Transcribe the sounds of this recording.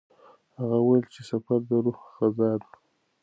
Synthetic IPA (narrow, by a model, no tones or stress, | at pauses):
haɣawajəlt͡ʃesafaɾd̪əɾoxxazɑd̪a